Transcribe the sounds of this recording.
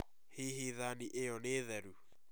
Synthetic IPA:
hiɦiðaniʔeɔneːðɛɾu

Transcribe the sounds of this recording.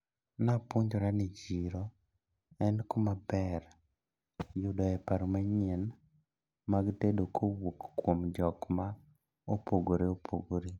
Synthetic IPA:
napoɲd͡ʒoɾanid͡ʒiɾɔ | ɛnkomabɛr | jʊdɔɛpaɾomaɲɛn | maɡtedokʰowokːwomd͡ʒɔkma | opoɡoɾeopʰo̰ɡoɾe

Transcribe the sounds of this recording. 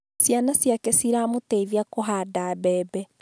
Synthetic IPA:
sjanasjakɛsiɾaːmoteiðiakoɦaːdaːbɛːbɛ

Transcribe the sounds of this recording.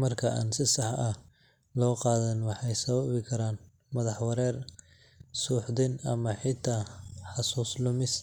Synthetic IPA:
mɐrkʰɐʔa̰ːnsɪsɑħɐh | lɔːqɑːðɐnwɑħɑjsɐβɐβɪkʰɐɾaːn | mɐðɑħwɐɾɛːr | suːħd̪ɪnɐmɐħɪt̪ʰaːħɑsuːslʊmɪs

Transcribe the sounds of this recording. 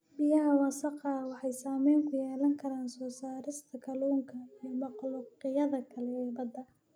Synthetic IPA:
bɪjɐɦɐwɑsɑqɑwɑħɑjsaːmɛjmkʰʊjɛːlɐŋkʰɐɾaːnsɔːsaːɾɪst̪ʰɐkʰɐluːŋkʰɐijmɑqlʊqɪjɐðɐkʰɐlɛɛːbɐd̪ɐ

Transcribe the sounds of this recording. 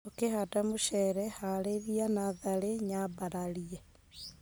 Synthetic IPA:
okehadamuʃɛɾɛhaleɾianaðaleɲabaɾalie

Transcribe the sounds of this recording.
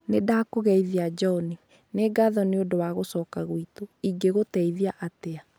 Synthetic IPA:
nedakoɣɛiðead͡ʒɔni | neɡaðɔneodowaɣosɔːkaɣwitoiɡeɣotɛiðiaʔatea

